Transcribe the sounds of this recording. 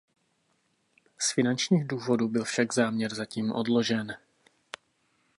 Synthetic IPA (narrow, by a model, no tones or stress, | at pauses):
sfɪnant͡ʃɲiːɣduːvo̞dubɪlfʃaɡzaːmɲɛɾzaciːmʔo̰dlo̞ʒɛn